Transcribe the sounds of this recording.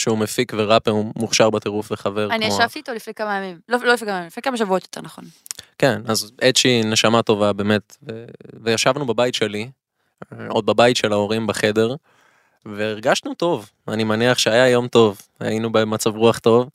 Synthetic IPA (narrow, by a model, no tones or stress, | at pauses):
ʃeumefikveʁapeumuχʃaʁbat̪e̞ʁufveχave̞ʁanimaoʃavt̪iːt̪olifnekamajamimlololifnekamajimlifnekamaʃavuot̪jot̪eʁnaχo̞n | kenazet̪ʃine̞ʃamato̞vabe̞ːme̞t̪vevejaʃavnubabajit̪ʃe̞li | o̞d̪̚babajit̪ʃe̞lao̞ʁimbaχe̞d̪e̞ʁ | veːʁɡaʃnuto̞v | animaniaχʃeajajo̞mto̞v | a̰jinubemat͡savʁuaχt̪o̞v